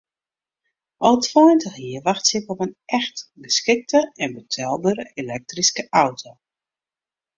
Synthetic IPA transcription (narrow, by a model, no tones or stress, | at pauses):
ʔɔlˠtʰwɔjntəxjiəʋaxtsɪkɔpənʔɛxtɡəskɪk̚tʰəɛnbətʰɛlˠbəɾəʔelɛk̚triskəʔawtʰo